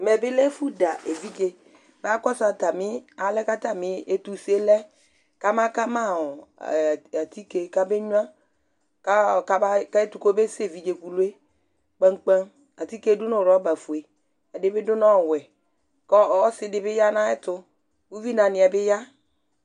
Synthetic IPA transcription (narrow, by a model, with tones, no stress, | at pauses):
m˨ɛ˨bɪ˦lɛ˦fu˦da˨ʔe˨vi˦d͡ʒe˨ | ba˦kɔ˦sa˨ta˨mɪ˦a˨˦lɛ˦ka˦ta˦mɪ˦e˦tu˨se˦lɛ˦ | ka˦mã˦ka˦ma˦˨ | a˨t̪i˦ke˨ka˦be˦ɲu˦ã˦ | ka˦˨ka˦ba˦ka˦e˦tu˨ko˦be˦se˨vi˦d͡ʒe˨ku˨lu˦e˦ | k͡pa˦ŋ˦k͡pa˦n | a˨ti˦ke˨˦du˦nʊ˨ɾɔ˨˦ba˨fu˨e˨ | a˨dɪ˨˦bɪ˦dʊ˦nɔ˦˨wɛ˨ | kɔ˦˨ɔ˦sɪ˨dɪ˦bɪ˦ja˦nã˦ɛ˦tʊ˦ | bu˦vi˦nã˨nɪ˨a˨bɪ˦ja˦